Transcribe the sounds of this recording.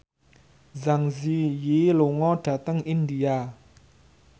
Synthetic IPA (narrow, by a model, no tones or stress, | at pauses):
zaŋzijiloŋɔɖ̥a̤t̪əŋindia